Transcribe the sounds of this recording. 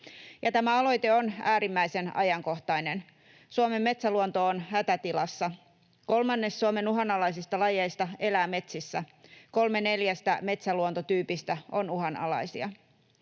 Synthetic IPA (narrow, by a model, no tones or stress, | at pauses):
jɑt̪æmæɑlo̞jt̪e̞onæːɾimːæjse̞nɑ̰jɑŋko̞ht̪ɑjne̞n | suome̞mːe̞t̪sæluont̪o̞ːnhæt̪æt̪ilɑsːɑ | ko̞lmɑnːe̞ssuome̞nuɦɑnɑlɑjsist̪ɑlɑjejst̪ɑe̞læːme̞t̪sisːæko̞lme̞ne̞ljæst̪æme̞t̪sæluont̪ot̪yːpist̪æo̞nuɦɑnɑ̰lɑ̰jsiɑ